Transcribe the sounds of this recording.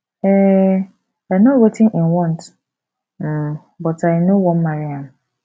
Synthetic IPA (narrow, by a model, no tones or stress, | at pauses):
ɛ | anɔtwetʰɪ̃nĩnwɔ̃nt | m̩ | bɔtaɪnowɔ̃nmaɹiãm